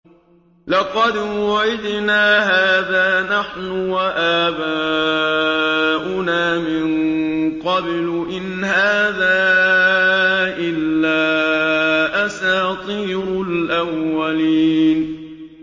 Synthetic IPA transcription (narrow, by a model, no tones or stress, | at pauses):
lɑqɑd̪wʊʕɪd̪naːɦaːðaːnaħnʊwaʔaːba | ʔʊnaːmɪnqɑblʔɪnhaːðaː | ʔɪlːaː | ʔasaːt̪ˤiːɾʊlʔawːaliːn